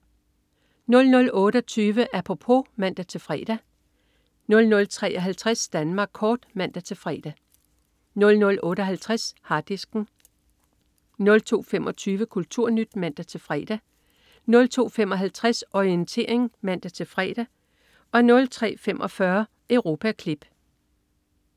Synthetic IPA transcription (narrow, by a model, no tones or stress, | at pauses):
nɔ̽lnɔ̽lɔ̽ːɾ̥ɒt͡sʰyːʋəʔæpʰʁo̝pʰo̝mæn̰d̥æt͡sʰe̝lfʁɛ̰ːd̥æ | nɔ̽lnɔ̽lt͡sʰʁɛ̰ːʔɒɦælt͡sʰʁasd̥ænmɑ̈ːɡ̥̚kʰɒːd̥mæn̰d̥æt͡sʰe̝fʁɛ̰ːd̥æ | nɔ̽lnɔ̽lʔɔ̽ːɾ̥əɒɦælt͡sʰʁashɑ̈d̥isɡ̥n̩ | nɔ̽lt͡sʰo̝̰ːfemʔɒ̽t͡sʰyːʋəkʰult͡sʰuɐ̰nyd̥mæn̰d̥æt͡sʰe̝lfʁɛ̰ːd̥æ | nɔ̽lt͡sʰo̝̰ːfem̰ɒ̽ɦælt͡sʰʁasɒient͡sʰe̝̰ːɐ̰eŋmæn̰d̥æt͡sʰe̝fʁɛ̰ːd̥æ | ɒ̽nɔ̽lt͡sʰʁɛ̰ːfemʔɒ̽fɶɐ | ʔeʊʁo̝ːpʰækʰlib̥